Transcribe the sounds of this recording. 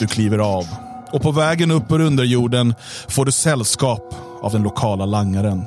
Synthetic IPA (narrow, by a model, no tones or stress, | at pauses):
ɵkʰliːvəɾaːv | ɔpʰɔvɛːɡənɵpːɔɾɵnd̪əɾjuːɖən | foːɖɵsɛlːskɑːp | a̰vd̪ɛnlʊkʰɑːlalaŋːaɾən